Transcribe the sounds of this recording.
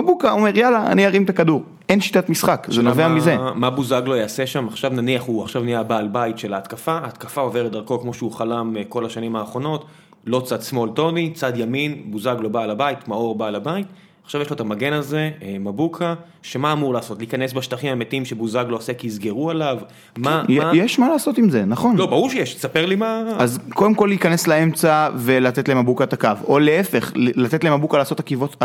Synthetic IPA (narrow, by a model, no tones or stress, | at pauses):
mabukaome̞ʁjalaa̰niaʁimt̪akaduʁ | ʔenʃi̥t̪atmisχakzenoveamizemabuzaɡlo̞jaːse̞ʃamaχʃavnaniaχuaχʃavnijabaːlbaitʃe̞laːt̪kafaːt̪kafao̞veʁt̚daʁko̞kmo̞ʃeuχalamko̞laʃanimaːχʁo̞no̞t | lo̞t͡sad̪smo̞lto̞nit͡sad̪jaminbuzaɡlo̞baːlabait̪mao̞ʁbaːlabait | χʃavjelotamaɡe̞naze̞mabukʰa | ʃemaːmuʁlaːso̞tlikane̞s̬baʃtaχimametiimʃebuzaɡlo̞asekiizɡe̞ʁuelav | majjɛʃmalaːso̞timzenaχo̞nlobauʁʃejeʃsapeʁlimaazko̞demko̞lːikaneslae̞mt͡savelat̪et̪leemabukat̪akavo̞leefe̞χlat̪et̪leemabukalaːso̞takivo̞t